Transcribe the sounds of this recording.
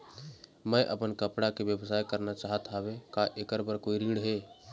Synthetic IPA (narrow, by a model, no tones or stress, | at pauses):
mɛ̃ʔə̰pənkəpɽakeʋjəʋsaːjkəɾnat͡ʃaːɦət̪ʰaɦʋekaʔeːkəɾbəɾkoːiɾiːɽɦeː